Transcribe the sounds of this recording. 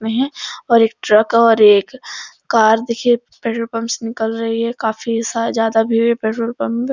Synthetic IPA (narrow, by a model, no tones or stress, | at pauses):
ẽɦɛ̃ɔːɾeːk̚ʈɾəkɔːɾeːkː | aːɾd̪ekʰie | pɛːʈoɾpəmsenɪkəlɾɐɦiɦɛkaːfisazjaːd̪abʱiɦoepɛːʈɾoɾpəmb